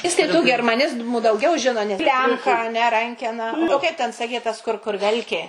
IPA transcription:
ˈjɪs tɐɪ tuː ɡʲɛrmɐˈnʲɪzmʊ dɐʊˈɡʲɛʊ ˈʒʲɪnoː nʲɛ ˈklʲɛmkɐ ɐ nʲɛ ˈrɐŋʲkʲɛnɐ oː ˈkɐɪp tʲɛn sɐˈkʲɛɪ tɐs kʊr ˈkʊr ˈʋʲɛlʲkʲeː

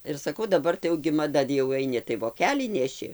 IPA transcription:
ɪr sɐˈkɐʊ dɐˈbɐr tɐɪ jɛʊ ɡʲɪ mɐˈdɐ jɛʊ ɐɪˈnʲɪ tɐɪ ʋoːˈkʲæːlʲiː nʲɛˈʃʲɪ

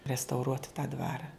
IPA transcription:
rʲɛstɐʊˈruɔt tɑː ˈdʋɑːrɐ

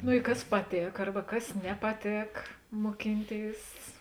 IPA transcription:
nʊ ɪ ˈkɐs pɐˈtʲeːk ˈɐrbɐ ˈkɐs nʲɛpɐˈtʲeːk moːˈkʲɪnʲˌtʲeːɪs

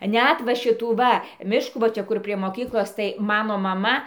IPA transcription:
ˈnʲæt ʋɐ ˈʃʲɪtuː ˈʋɐ ˈmʲɪʃkuː ʋɐ ˈt͡ʃʲɛ ˈkʊr pʲrʲiɛ moːˈkʲiːklˠoːs tɐɪ ˈmɑːnoː mɐˈmɐ

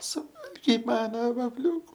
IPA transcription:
sʊˈʋɐlʲɡʲɛɪ ˈmɑːnɐ ʋɐfʲˈlʲuːkʊ

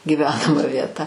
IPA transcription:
ɡʲiːˈʋʲæːnɐmɐ ʋʲiɛˈtɐ

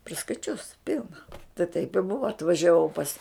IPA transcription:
pʲrʲɪskɐɪˈt͡ʃʲʊs ˈpʲɪlˠnɐ tɐɪ tɐɪp ɪ ˈbʊʋɐ ɐtʋɐʒʲɛˈʋɐʊ pɐs

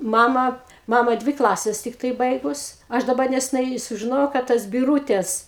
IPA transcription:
ˈmɑːmɐ ˈmɑːmɐ ˈdʲʋʲɪ ˈklˠɑːsʲɛs ˈtʲɪktɐɪ ˈbɐɪɡʊs ˈɐʃ dɐˈbɐ nʲɛsʲɛˈnɐɪ sʊʒʲɪˈnoːjɛʊ kɐ ˈtɐs bʲɪˈruːtʲɛs

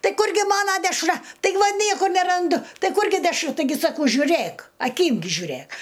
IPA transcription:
ˈtɐɪ ˈkʊrʲɡʲɪ ˈmɑːnɐ dʲɛʃˈrɐ tɐɪˈɡʲɪ ʋɐ ˈnʲiɛkʊr nʲɛrɐnˈdʊ ˈtɐɪ ˈkʊrʲɡʲɪ dʲɛʃˈrʊ tɐɪˈɡʲɪ sɐˈkɐʊ ʒʲʊˈrʲæk ɐˈkʲiːm ɡʲɪ ʒʲʊˈrʲæk

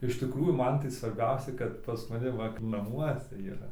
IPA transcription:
ɪʃ tʲɪˈkruːjuː ˈmɐn tɐɪ sʋɐrʲˈbʲɛʊsʲɛɪ kɐt pɐs mɐˈnʲɪ ʋɐ nɐˈmuɔsʲɛ iːˈrɐ

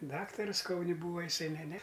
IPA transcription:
ˈdɑːktɐrʊs ˈkɐʊnʲɪ ˈbuːʋɐ jɪˈsɐɪ ˈnʲɛ ˈnʲɛ

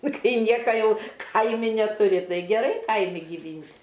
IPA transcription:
ˈkɐɪ ˈnʲiɛkɐ ˈjɛʊ ˈkɐɪmʲɪ nʲɛtʊˈrʲɪ ˈtɐɪ ɡʲɛˈrɐɪ ˈkɐɪmʲɪ ɡʲɪˈʋʲiːnʲtʲ

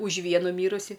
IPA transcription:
ʊʃ ˈʋʲiɛnʊ ˈmʲiːrʊsʲɪ

